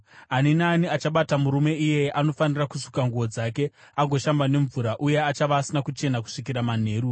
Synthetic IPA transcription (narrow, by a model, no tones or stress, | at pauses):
aninaːniat͡ʃaɓatamuɾume̞ije̞ano̞fanirakusu̥kaŋɡuo̞d͡zake̞ | aɡʱo̞ʃambane̞ɱvuɾaʔuje̞at͡ʃaʋaːsinakut͡ʃe̞naku̥ʂikiɾaman̤e̞ːɾu